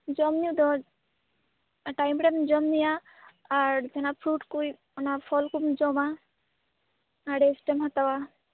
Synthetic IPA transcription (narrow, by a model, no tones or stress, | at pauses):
d͡ʒɔmniud̪ɔ | ʈajmʈemd͡ʒɔmnijaː | ɾd͡ʒɛnapʰɾuʈkuj | ɔnapʰɔlkumd͡ʒɔma | aɖesʈemɦat̪awa